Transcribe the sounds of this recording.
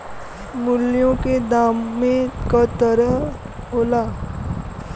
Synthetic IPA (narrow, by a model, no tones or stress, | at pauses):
mʊljõked̪aːmːẽkat̪əɾəɦ | ɦoːlaː